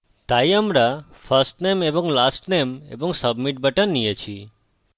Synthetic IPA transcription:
d̪̥ajəmɽafəɾsʈnemebɔ̃ŋɡlasʈnemḛbɔ̃ŋksəbmiʈ̚bəʈənːijət͡ʃʰi

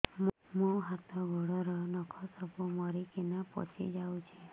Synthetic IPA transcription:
m | mũɦat̪ʰɔɡʱɔɽɔɾɔnɔkʰɔsɔpumɔɾikenapɔ̰t͡ʃʰḭd͡ʒawt͡ʃʰe

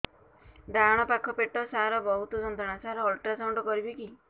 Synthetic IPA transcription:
d̪aɾɔɽ̃ɔpakʰːɔpeʈɔsaɾɔbɔɦut̪ɔd͡ʒɔnd̪ʱaɽ̃asaɾɔːlʈɾasawɳɖɔkɔɾibiki

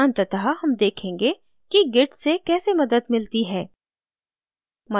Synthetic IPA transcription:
ant̪ət̪ɐɦaɦɐmd̪eːkʰẽːŋɡe | kiɡɪʈsekɛːsemɐd̪əd̪mɪlt̪iɦɛː | mɐ

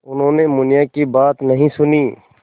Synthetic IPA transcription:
ʊnɦõːnemʊnɪjakibaːt̪nɐɦĩsʊniː

